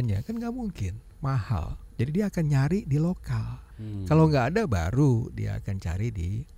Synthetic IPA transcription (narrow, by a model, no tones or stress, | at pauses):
ɲa̰kanŋɡaʔmuŋkɪn | maha̰ld͡ʒadidiaːkanɲaɾidilokalkalawŋɡaːdaba̰ɾudḭa̰a̰kant͡ʃa̰ɾidi